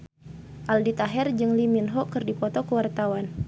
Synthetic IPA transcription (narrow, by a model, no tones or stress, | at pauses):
ʔaldit̪aɦɛrd͡ʒɨŋliminɦɔkɨrdipɔt̪ɔkəwart̪awan